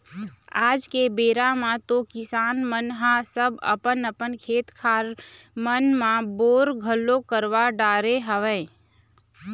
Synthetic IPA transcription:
aːd͡ʒkebeːɾamãt̪okɪsaːnmənɦãsəbə̰pənəpənkʰeːt̪kʰaːɾmənmãboːɾɡʱəlːokəɾwaɖaːɾeɦəʋɛ̃ː

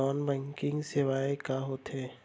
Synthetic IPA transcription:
ɔːnbɛ̃ːŋkɪ̃ŋɡseʋaːekaɦoːt̪ɦeː

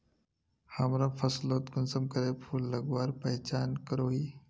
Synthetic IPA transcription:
həmɾafəslot̪kunsəmkəɾepʰulːəɡʋaɾpəɦt͡ɕankəɾoi

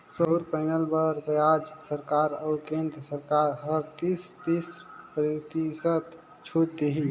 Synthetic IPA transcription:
soɾpaɪnəlbəɾbəjad͡ʒsəɾkaɾəʊkẽnd̪ɾəsəɾkaɾɦəɾt̪ist̪is | pɾt̪isət̪ | t͡ʃʰuʈt̪eɦi

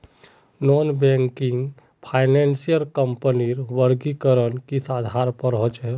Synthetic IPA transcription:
nɔːnbɛŋkiŋɡ | pʰaːɪnɛnsijəɾkəmpəniɾʋəɾɡikəɾənkisad̪ʱaɾpəɾɦot͡ʃɦɛ

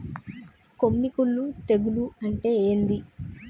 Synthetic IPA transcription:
ko̞mːikulːut̪e̞ɡuluɐɳʈe̞ːeːnd̪i

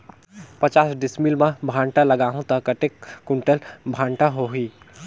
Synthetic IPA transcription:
pət͡ʃasɖismilmebʱãɳʈaləɡaɦũt̪əkəʈekːuɳʈəlbʱaɳʈaɦoɦi

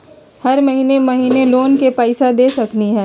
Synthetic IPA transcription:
hɐɾmɐɦiːnemɐɦiːneloːnkepaːɪsad̪eːsɐkniɦɛ̃ː

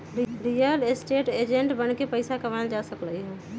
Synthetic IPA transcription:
ɾijəlesʈeːʈed͡ʒẽɳʈbənkepəɪsakəʋaɪld͡ʒasəkləiɦo

